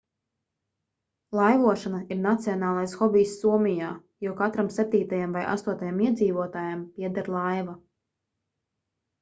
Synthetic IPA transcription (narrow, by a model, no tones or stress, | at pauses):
lˠajvuɔʃanaiɾnat̪siɔnaːlˠajsxɔbiːjsːuɔmijaː | jukat̪ɾamsɛp̚t̪iːt̪ajamvajʔa̰st̪uɔt̪ajamiɛd̪ziːvuɔt̪aːjampiɛd̪aɾlˠajva